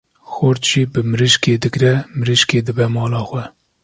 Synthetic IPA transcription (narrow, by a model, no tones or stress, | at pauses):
xoɾt̪ʒ̥iːbɨmɨɾɨʃkeːd̪ɨɡɾɛmɨɾɨʃkeːd̪ɨbɛmɑːlɑːxʷwɛ